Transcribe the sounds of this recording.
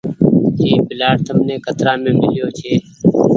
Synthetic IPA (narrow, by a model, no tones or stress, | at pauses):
d͡ʒiːbɪlaːʈt̪əmnẽːkət̪ɾaːmẽːmɪljoːt͡ʃʰeː